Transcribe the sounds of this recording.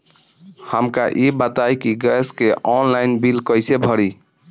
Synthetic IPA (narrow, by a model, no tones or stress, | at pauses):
həmkaʔibət̪ajkiɡɛskeʔɔnlaɪnbilkəjsebʱəɾi